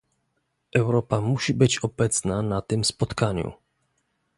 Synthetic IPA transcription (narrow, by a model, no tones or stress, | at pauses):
ʔɛwɾɔpamuɕibɘt͡ɕɔbɛt̪snanat̪ɘmspɔt̪kaɲṵ